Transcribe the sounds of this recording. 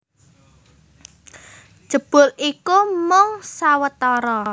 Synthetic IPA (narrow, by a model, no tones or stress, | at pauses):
ʒ̥ə̤b̥ʊ̤likumʊŋsawət̪ɔɾɔ